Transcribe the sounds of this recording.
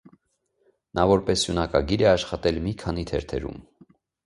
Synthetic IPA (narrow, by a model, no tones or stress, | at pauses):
nɑvɔɾpɛsjunɑkɑɡiɾɛɑʃχɑt̪ɛlmikʰɑnit̪ʰɛɾt̪ʰɛ̰ɾṵm